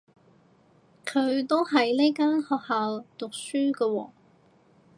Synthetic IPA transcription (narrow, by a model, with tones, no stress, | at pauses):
kʰɵ˨˧ɥt̪o˥wɦɐ˨jle˥kaː˥nhɔː˨˧k̚haː˨wt̪ʊ˨k̚syː˥kə˧wɔː˧˩